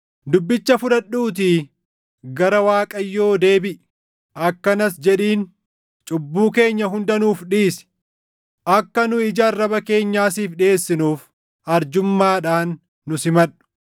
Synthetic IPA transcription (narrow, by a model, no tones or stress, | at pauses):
d̪ʊbːɪt͡ʃːɐfʊᶑɐɗuːt̪̬i | ɡɐɾɐwaːkʼɐjːo̞ːd̪e̞ːbɪʔ | ʔɐkːɐnɐsd͡ʒɛᶑiːn | t͡ʃʼʊbːuːke̞ːɲːɐɦʊnd̪ɐnuːfᶑiːsɪ̥ | ʔɐkːɐnʊɪd͡ʒɐrːɐbɐke̞ːɲːaːsiːfᶑe̞ːsːɪnuːf | ɐɾd͡ʒʊmːaːᶑaːnː | ʊsɪmɐᶑʊ̥